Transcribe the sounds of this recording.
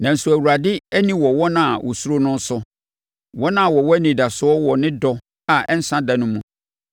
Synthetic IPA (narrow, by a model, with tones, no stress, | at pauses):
nã˨n̩˨su˨æ˨wu˨ɾa˨dɪ˦æ˦nĩ˦wɔ˨wɔ˦nã˨a˨wʔɔ˨su˦ɾo˦nʊ̃˦n̩˦sʊ˦ | wɔ˦nã˦˨wɔ˨wɔ˦æ˦nĩ˨da˨sʊ˦ɔ˦wɔ˨nɪ̃˦dɔ˦ | a˨ʔɛ˦n̩˦sã˦da˨nʊ̃˦mũ˦